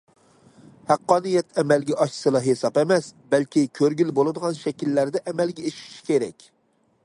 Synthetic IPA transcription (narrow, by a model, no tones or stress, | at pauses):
hæqːɑːnɨjɛt̪ʰɛmælɡʲɛʔɑʃsɨlˠɑɦesɑpemɛsbælkʲikʲʰøɾɡʲilbolˠɨd̪əʁɑnʃɛkʲilːæɾd̪ɛʔɛmælɡʲɛeʃi̥ʃi̥kʲeɾɛkʲ